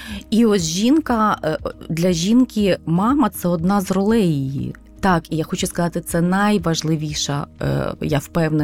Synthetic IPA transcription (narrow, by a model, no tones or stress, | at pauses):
iɔsʲʒʲinkɐ | d̪lʲɐʒʲinkimɑmɐt̪sɛɔd̪̚nɑzrɔlˠɛjijḭ | t̪ɑkijaxɔt͡ʃʊskɐzɑt̪ɪt̪sɛnɐjʋɐʒlˠɪʋʲiʃɐ̰jawpɛwnɛ